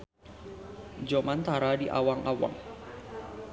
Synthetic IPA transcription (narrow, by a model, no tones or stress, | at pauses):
d͡ʒomant̪aɾadiʔa̰waŋʔawa̰ŋ